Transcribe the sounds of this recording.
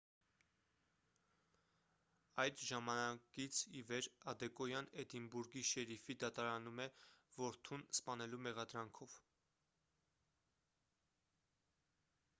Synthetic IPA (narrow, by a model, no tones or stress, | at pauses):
ɑjd̪ʒɑmɑnɑkit͡sʰivɛɾɑd̪ɛkɔjɑnɛd̪imbuɾɡiʃɛɾifid̪ɑt̪ɑɾɑnumɛvɔɾt̪ʰunspɑnɛlumɛʁɑd̪ɾɑŋkʰɔv̥